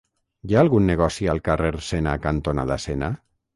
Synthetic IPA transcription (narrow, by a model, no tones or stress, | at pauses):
jaalˠɣunːeɣ̞ɔsialˠkareɾsenakant̪ona̰ðasena